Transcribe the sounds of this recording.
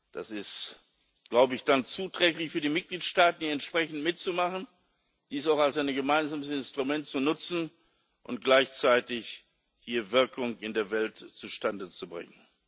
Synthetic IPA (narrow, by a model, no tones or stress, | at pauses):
d̥a̰sɪst | ɡ̥laʊbəɪçd̥ant͡suːtʁ̥ɛklɪçfyːɐdiːmɪt̚ɡ̥liːtʃtaːtn̩hiɛntʃpʁ̥ɛçn̩tmɪtt͡sumaχn̩ | d̥iːsaʊxalsaɪnɡəmaɪnzaːməsɪnstʁ̥umɛntt͡sunʊt͡sn̩ | ʔʊnt̚ɡ̥laɪçt͡saɪtɪç | hiːɐvɪɐkʊŋɪndeːɐvɛltt͡suʃtandət͡subʁɪ̰ŋən